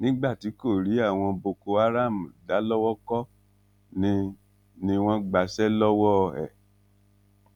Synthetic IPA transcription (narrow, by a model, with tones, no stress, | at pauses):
nĩ˦ɡ͡ba˦˨ti˨˦ko˦˨ɾi˨˦a˦˨w̃ɔ̃˧bo˧ko˧a˦ɾa˦˨mũ˨da˨˦lɔ˦wɔ˦kɔ˦ | nĩ˧˦ | nĩ˧w̃ɔ̃˦ɡ͡ba˧sɛ˦lɔ˦wɔ˦˧ɛ̰˨